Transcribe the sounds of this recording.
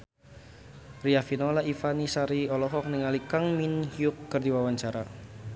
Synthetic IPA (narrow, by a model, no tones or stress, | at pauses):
riafinɔlaʔifanisaɾiɔlɔɦɔk̚niŋalikaŋminhjʊkːərd̪iwawaɲt͡ʃaɾa